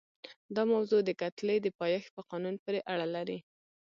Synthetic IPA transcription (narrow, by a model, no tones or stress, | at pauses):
d̪ɑmawzod̪əkat̪led̪əpɑjɑxpəqɑnunpəɾeʔaɽalaɾi